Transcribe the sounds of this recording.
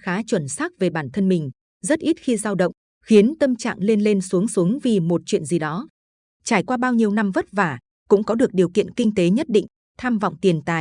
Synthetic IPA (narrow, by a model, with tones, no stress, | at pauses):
xaː˨˦t͡ɕwə˧˩nsaː˦˥k̚ve˨˩ɓaː˧˩nt̪ʰə˧nmï˨˩ŋ̟ | zə˦˥t̚ʔi˦˥t̚xi˧zaː˧wɗə̰˧˨wŋ͡m | xi˨˦ənt̪ə˧mt͡ɕa̰ː˧˨ŋle˧nle˧nsu˨˦əŋsu˨˦əŋvi˨˩mo˨˩t̚t͡ɕwḭ˧˨ənzi˨˩ɗɔ˨˦ | t͡ɕaː˧˩jkwaː˧ɓaː˧wɲi˧əwna˧mvə˦˥t̚vaː˨˩ | kʊ̰˧˥ŋ͡mkɔ˨˦ɗɨ˨˩ək̚ɗi˨˩əwkḭ˧˨ənkï˧ŋ̟t̪e˨˦ɲə˦˥t̚ɗḭ̈˧˨ŋ̟ | t̪ʰaː˧mva̰˧˨wŋ͡mt̪i˨˩ənt̪a̰ː˧˩˨j